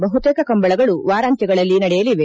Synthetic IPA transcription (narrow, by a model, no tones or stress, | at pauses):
bɐɦut̪eːkɐkɐmbɐɭɐɡɐɭuʋaːɾaːnt̪jɐɡɐɭɐlːinɐɽɛjɐliʋe